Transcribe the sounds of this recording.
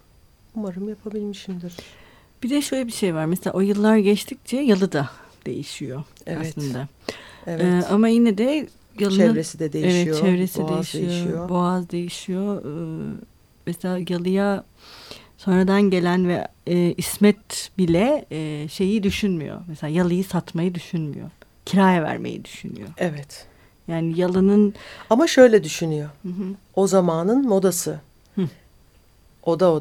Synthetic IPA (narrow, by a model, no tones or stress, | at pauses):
umaɾɯmjapʰabilʲmiʃimd̪iɾ | b̥id̪ɛʃølʲɛbiʃejvaɾmɛselʲaʔojɯlˠːaɾɟɛt͡ʃt̪ʰic̚t͡ʃʰɛjalˠɯd̪a | d̪̥e̞̰jiʃijo̞ | asˠɯnd̪a | evɯːamajinɛd̪ɛ | jalˠɯnɾesid̪ɛd̪ejevɛt̪jt͡ʃʰɛvɾesid̪ejiʃjijojoboazd̪e̞jiʃijoː | mɛselʲaːjalˠɯja | so̞nɾad̪anɟe̞lʲænvɛ̰ɛːismɛt̪bilʲɛʃe̞jid̪yʃynmy̰jo̰mɛselʲaːjalˠɯjɯsat̪majɯd̪yʃynmy̰jo̰ | cʰiɾaːjɛvæ̰ɾmḛjḭd̪yʃyny̰jo̰ɛvɛt̪ | jaːnijalˠɯnɯnamaʃø̞jlʲɛd̪yʃynyjohɯ̃ɦɯ | ozamaːnɯnmo̞d̪asɯ | od̪ao